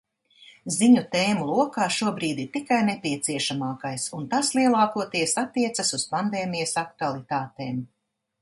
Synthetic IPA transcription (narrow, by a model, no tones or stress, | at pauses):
ziɲut̪eːmulˠuɔkaːʃuɔbɾiːd̪iɾt̪ikajnepʲiɛt̪siɛʃamaːkajsunt̪aslˠiɛlˠaːkuɔt̪iɛsat̪ːiɛt̪sasuspand̪eːmijɐsakt̪ualˠit̪aːt̪eːm